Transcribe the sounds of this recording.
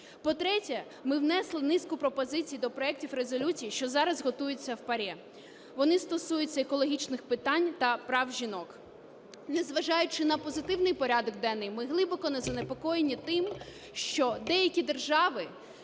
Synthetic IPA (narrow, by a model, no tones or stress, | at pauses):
pɔt̪ɾɛtʲɛ | mɪwnɛslˠɪnɪskʊpɾɔpɔzɪt͡sʲijid̪ɔpɾɔɛk̚tʲiwɾezɔlʲut͡sʲijiʃt͡ʃɔzɑɾɐzɦɔt̪ujʊt͡sʲːɐwpɐɾʲɛ | ʋɔnɪst̪ɔsujʊt͡sʲːɐekɔlˠɔɦʲit͡ʃnɪxpɪt̪ɑnʲt̪ɐpɾɑwʒʲinɔk | nezʋɐʒɑjʊt͡ʃɪnɐpɔzɪt̪ɪwnɪjpɔɾʲɑd̪ɔɡd̪ɛnːɪjmɪɦlˠɪbɔkɔnɐzɐnepɔkɔjenʲːit̪ɪm | ʃt͡ʃɔd̪ɛjɐkʲid̪erʒɑʋɪ